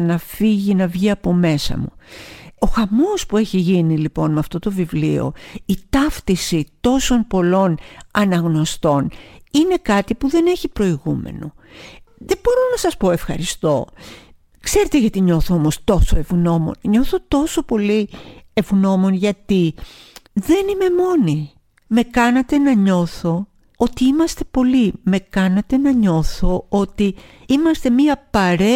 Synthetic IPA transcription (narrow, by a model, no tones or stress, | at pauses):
nɐfiʝinɐvʝiɐpo̞me̞sɐ̰muoxɐmospue̞çiʝinilipo̞nmeɐft̪o̞t̪o̞vivlio̞̰it̪ɐft̪isit̪o̞so̞npo̞lo̞nɐnɐɣno̞st̪o̞nine̞kɐt̪ipuðe̞ne̞çipɾo̞iɣumḛno | ðe̞bo̞ɾonɐsɐspo̞e̞fxɐ̰ɾist̪o̞ | kse̞ɾe̞t̪eʝɐt̪iɲo̞θoomost̪o̞soe̞vɣno̞mo̞̰nɲo̞θo̞t̪o̞so̞po̞lie̞vɣno̞mo̞nʝɐt̪i | ðe̞nime̞mo̞ni | me̞kɐnɐt̪e̞nɐɲo̞θo̞ | ot̪iimɐst̪e̞̥po̞lime̞kɐnɐt̪e̞nɐɲo̞θo̞ot̪iimɐst̪e̞miɐpɐɾe